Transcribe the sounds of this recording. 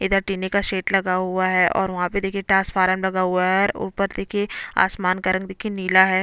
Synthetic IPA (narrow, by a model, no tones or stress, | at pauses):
ɪd̪əɾʈiːnekaʃeːʈlɐɡaɦʊaɦɛʔɔ̰ːɾʋɐɦãped̪eːkʰieʈaːsfʰaːɾəmlɐɡaɦuaɦɛɛɾṵːpəɾd̪eːkʰiea̰ːsmaːnkɐɾə̃ŋɡd̪eːkʰieniːlaɦɛː